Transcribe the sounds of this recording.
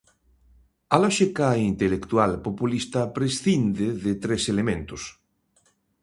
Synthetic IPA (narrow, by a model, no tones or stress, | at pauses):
alɔʃekaint̪elekt̪ualpopulist̪apɾesθind̪eðet̪ɾeselemẽnt̪os